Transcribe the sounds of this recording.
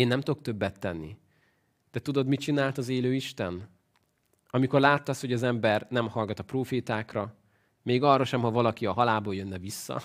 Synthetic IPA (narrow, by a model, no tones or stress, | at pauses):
eːnːɛmt̪okt̪ø̞bːɛt̪ːɛnːḭ | d̪̥ɛt̪ud̪o̞d̪mit͡ʃinaːlt̪ɒzeːløːiʃt̪ɛn | ɒmiko̞rlaːt̪ːɒsho̞ɟɒzɛmbɛrnɛmhɒlɡɒt̪ɒproːfeːt̪aːkrɒ | meːɡɒrːɒʃɛmɦɒvɒlɒkiɒɦɒlaːboːljønːɛvisːɒ̰